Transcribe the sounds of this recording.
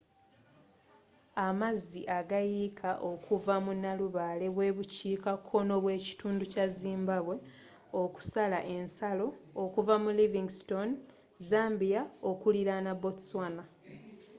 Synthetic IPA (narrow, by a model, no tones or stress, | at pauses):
amaziʔaɡajikʰaʔo̞kʰuvamunːaluβale̞βwe̞ːβuciːkakʰːo̞no̞βwe̞ːci̥tuːnducaziːmbaβwe̞ | o̞ku̥salaʔe̞nsalo̞ːkuvamuliviŋɡsto̞n | zaːmbijao̞kuliɾanabotswana